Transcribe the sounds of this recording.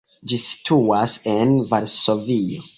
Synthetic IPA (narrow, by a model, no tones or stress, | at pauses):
d͡ʒisi̥tʰuasenvaɾso̞vio